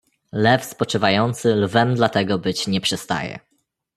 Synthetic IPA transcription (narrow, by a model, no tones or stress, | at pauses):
lɛfspɔt͡ʂɘvajɔnt̪sɘlvɛmd̪lat̪ɛɡɔbɘt͡ɕɲɛpʂɛst̪a̰jɛ̰